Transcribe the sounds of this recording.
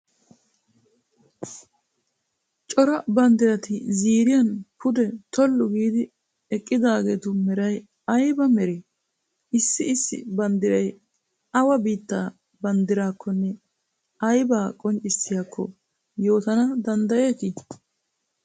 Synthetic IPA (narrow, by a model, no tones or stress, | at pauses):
t͡ʃʼɔɾɐbɐnd̪ɪɾɐt̪ɪziːɾɪjɐnpʰʊd̪ɛt̪ɔlːʊɡiːd̪ɪ | ɛkʼːɪd̪aːɡeːt̪ʊmɛɾɐj | ɐjbɐmɛɾe | ɪsːɪɪsːɪ̰bɐnd̪ɪɾɐj | ɐwɐbiːt̪ːaː | bɐnd̪ɪɾaːkʰːɔnːɛ | ɐjbaːkʼɔnt͡ʃʼːɪsːɪjaːkʰːɔ̰ | jo̞ːt̪ɐnɐd̪ɐnd̪ɐjeːkɪ